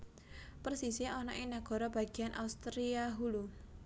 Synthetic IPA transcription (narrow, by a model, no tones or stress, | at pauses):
pərsisiɔnɔʔinaɡ̥ɔ̤ɾɔb̥a̤ɡ̥i̤anʔa̰ust̪ɾiaɦulu